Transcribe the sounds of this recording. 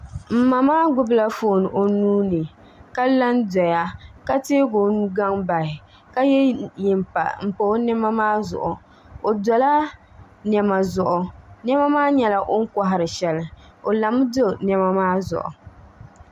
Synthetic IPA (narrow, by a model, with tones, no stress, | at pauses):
m̩˨ma˨maː˦ɡʊ˦bɨ˦la˦foː˦˨n˨ʔo˨nuː˦nɨ˨ | ka˦la˦ndɔ˨ja˦ka˦teː˦ɡo˨nu˦ɡa˦ŋba˨hɪ˨ | ka˦jɛ˦jɪ˨mpa̰˨m̩˨po˨˦nɛ˦ma˦maː˦zʊ̰˨ʔʊ˨ | o˨dɔ˨la˦ | nɛ˨ma˨zʊ˨ʔʊ˨nɛ˦ma˦maː˦ɲɛ˨la˦ʔo˦ŋ̩˦ka˦ɦɪ˨ɾɨ˨ʃɛ˨lɨ˨o˨la˨m˦do˦nɛ˦ma˦maː˦zʊ̰˨ʔʊ̰˨